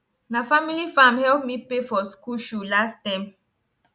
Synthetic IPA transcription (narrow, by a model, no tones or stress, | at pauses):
nafamilifãmhɛlp̚mipefɔskuʃulastãm